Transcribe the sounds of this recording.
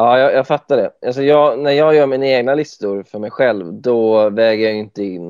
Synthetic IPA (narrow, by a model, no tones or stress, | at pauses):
ɑːjɑjɑːɡfat̪ːaɖɛʔals̬ɔjɑːɡnæɾjɑːɡjœːɾmɪnaeːɡnalɪst̪ʊɾfœɾmɛjɧɛlvd̪ɔvɛːɡəɾjɑjɪnt̪əɪnː